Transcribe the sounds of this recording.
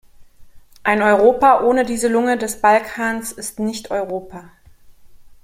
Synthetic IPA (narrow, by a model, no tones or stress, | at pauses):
ʔaɪnɔʏʁoːpaʔoːnədiːzəlʊŋədɛsb̥alkʰaːnsɪstnɪçtɔʏʁoːpa